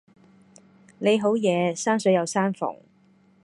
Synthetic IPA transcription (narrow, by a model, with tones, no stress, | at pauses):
ne˨˧jɦo˨˥wjɛː˨˧saː˥nsɵ˨˥ɥjɐ˨˧wsaː˥nfʊ̰˨˩ŋ